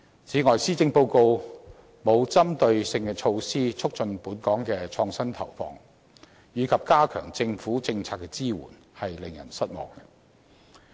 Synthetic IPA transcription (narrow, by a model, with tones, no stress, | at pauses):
t͡sʰiː˨˥ŋɔː˨˩jsiː˥t͡sɪ˧ŋpo˧wko˧w | mo˨˧wt͡sɐ˥mt̪ɵ˧ɥsɪ˧ŋkɛ˧t͡ʃʰo˧wsiː˥t͡ʃʰʊ˥k̚t͡ʃɵ˧npuː˨˥nkɔː˨˥ŋkɛː˧t͡ʃʰɔː˧ŋsɐ˥nt̪ʰɐ̰˨˩wfɔ̰ː˧ŋ | jyː˨˧kʰɐ˨p̚kaː˥kʰœ̰ː˨˩ŋt͡sɪ˧ŋfuː˨˥t͡sɪ˧ŋt͡sʰaː˧t̚kːɛ˧t͡siː˥wṵː˨˩n | hɐ˨jlɪ˨ŋjɐ̰˨˩nsɐ˥t̚mɔ̰ː˨ŋɛ˧